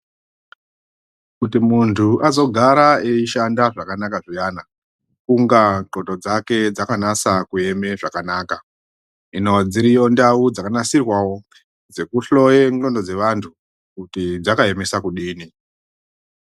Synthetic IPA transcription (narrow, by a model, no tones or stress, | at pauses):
kutimuntʰuʔazo̞ɡʱaɾaeiʃandaʐakanakaʐijana | kuŋɡaǃo̞to̞d͡zake̞d͡zakanasakue̞me̞ʐakanaːka | ino̞d͡ziɾijo̞ndaud͡zakanasirwawo̞ | d͡ze̞kuɬo̞jeŋo̞ndo̞d͡ze̞ʋantʰu | kutid͡zakae̞misakuɗiːni